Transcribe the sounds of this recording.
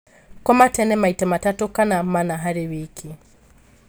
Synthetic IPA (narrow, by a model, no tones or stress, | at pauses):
kɔmatɛnɛmaitamatatukanamanaɦaɾiwikʰi